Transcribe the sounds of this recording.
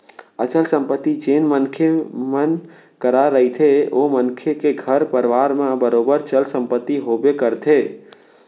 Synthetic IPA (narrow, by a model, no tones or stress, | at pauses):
ət͡ʃəlsə̃mpət̪ːid͡ʒenmənkʰemən | kəɾaɾəɦit̪ʰeomənkʰekeɡʱəɾpəɾʋaɾmãbəɾobəɾt͡ʃəlsə̃mpət̪ːiɦobekəɾt̪ʰe